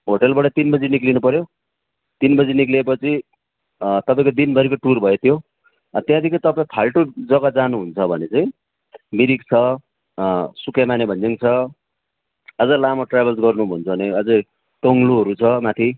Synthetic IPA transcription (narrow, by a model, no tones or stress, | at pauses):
ɦoʈelbʌʈʌt̪inbʌd͡ziniklinupʌɾjo | t̪inbʌd͡ziniklepʌt͡sʰi | t̪ʌpaĩkod̪inbʱʌɾikoʈurbʱʌjet̪ʰjo | ʌt̪jãd̪ikʰit̪ʌpaĩpʰalʈod͡zʌɡʌd͡zanuɦunt͡sʰʌbʱʌnet͡sʌĩ | miɾik̚t͡sʰʌ | sukjamanebʱʌnd͡ziŋt͡sʰʌ | ʌd͡zʌlamʌʈrabʱʌlsɡʌrnubʱunt͡sʰʌneʌd͡ze | ʈʌŋluɦʌɾut͡sʰʌmat̪ʰi